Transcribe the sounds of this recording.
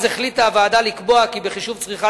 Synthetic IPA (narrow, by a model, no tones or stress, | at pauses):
zeχlitaːvaːdalikbo̞akibeχiʃuvt͡sʁiχa